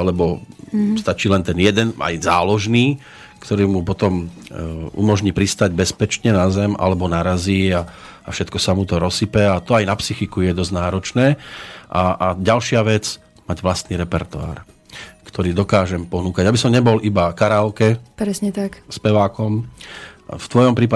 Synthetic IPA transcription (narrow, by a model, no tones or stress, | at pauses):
alɛbɔst̪at͡ʃiːlɛnt̪ɛnjɛd̪ɛna̰jzaːlɔʒniː | kt̪ɔɾiːmupɔt̪ɔm | ṵmɔʒɲiːpɾist̪aɟbɛspɛt͡ʃɲɛnazɛmʔa̰lɛbɔnaɾaziːaː | fʃɛt̪kɔsamut̪ɔɾɔsipɛat̪ɔajnapsixikujɛd̪ɔznaːɾɔt͡ʃnɛːʔaaɟalʃɪaʋɛd͡z | maɟʋlast̪niːɾɛpɛɾt̪ua̰ːɾ | kt̪ʰɔɾiːd̪ɔkaːʒɛmpɔnuːkaɟabisɔmɲɛbɔlibakaɾalkɛpɾɛsɲɛt̪akspɛʋaːkɔm | ft̪ʋɔjɔmpɾiːpa